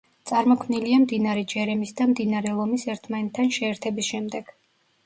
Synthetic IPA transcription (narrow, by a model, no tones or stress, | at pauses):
t̪sʼaɾmɔkʰmniliamd̪inaɾɛd͡ʒɛɾɛmisd̪amd̪inaɾɛlˠɔmisɛɾt̪ʰmanɛt̪ʰːanʃɛːɾt̪ʰɛbisʃɛmd̪ɛɡ̥